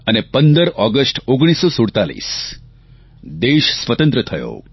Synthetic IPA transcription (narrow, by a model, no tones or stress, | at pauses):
ənepənd̪əɾɔɡəsʈoɡɽ̃isosuɽt̪alḭs | d̪eʃsʋət̪ə̃nt̪ɾət̪ʰəjo̰